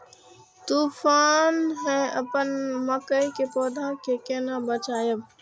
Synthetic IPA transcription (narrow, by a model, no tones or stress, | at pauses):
t̪uːfaːnɦɛ̃əpənməkəjkepoːd̪ʱãkekeːnabət͡ʃaːjəb